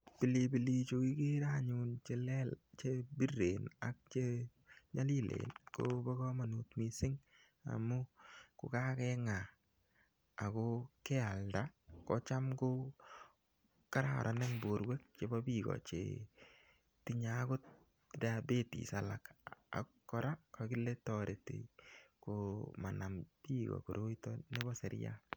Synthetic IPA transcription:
pɪ˨li˨bi˨li˨t͡ʃo˧ki˦ke˦ɾa˦ɲu˨nt͡ʃe˨lɛ˦lt͡ʃe˦bi˦rːe˨na˦k̚t͡ʃe˦ | ɲa˦li˦lḛ˨nkobɔ˦ɡɔ˦ma˨nu˨t̪mi˨sɪ˦ŋ | a̰˨mʊ˦kʊ˨ka˦kɛ˦ŋa˨ | kɔ˦ke˦a˨lda˦kɔ˦t͡ʃa˦mko˦ | ka˦ɾa̰˦ɾʔa˨ne˦ŋbo˨ɾwe˦k̚t͡ʃe˦bɔ˦bi˦kɔ̰t͡ʃḛ˨ | ti˦ɲa˨˦ko˦t̚ | dabe˦tḭ˨sa˨la˨ka̰˨kːɔ˦ɾa˦ka˨kɪ˦le˦tɔɾe˨tḛ˨koma˨na˨mpi˦ɣɔ̰˨ko˨ɾo˦itɔ˦ne˦bɔ˦se˨ɾja̰

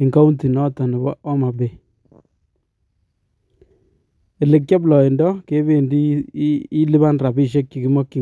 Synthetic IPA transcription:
ɪ˨ŋɡa˦u˦nti˨nɔ˦tɔ˨nɪ˨bɔː˦ma˨be˨ | e˨lɪ˨k̚t͡ʃa˦blɔ˨i˨ndɔ˦ke˦be˦ndiː˦ | lɪ˦ba˦nra˨bi˦ʃ̬e˦k̚t͡ʃi˨ki˦mɔ˦kːi˨

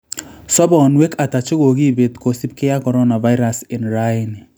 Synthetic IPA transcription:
sɔ˦bɔ˨nwe˦ka˨ta˨t͡ʃɪ˦ɣo˨ɣi˦be˨tko˨si˦p̚kɪ˦ja˦kɔ˨ɾɔ˦na˨va˦ɪ˦ɾa˨sɪ˨nɾa˦ɪ˨n˨

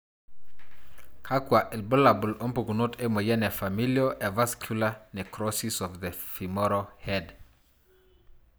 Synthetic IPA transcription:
kʰa˦kwa˨ʔɛ˨lbɔ˦la˨bu˨lɔ˦mpu˨ɡu˨no˦tʰe˦mo˨jɛ˦nɛ˨fa˨miljoʔɛ˨va˦skʰjulanɛ˨kʰɾɔsisɔfðe˨fi˨mɔɾohɛd

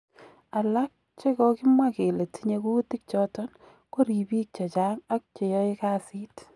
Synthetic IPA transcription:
a˨la˦k̚ | t͡ʃe˦kɔ˦kɪ˦mwake˨le˨ti˦ɲe˧ku˦ti˦k̚t͡ʃɔtɔ˦n | ko˦ɾi˨bi˦k̚t͡ʃɔ˨t͡ʃaŋa˦k̚t͡ʃe˨jɔ˦ɪ˦ka˦si˦t

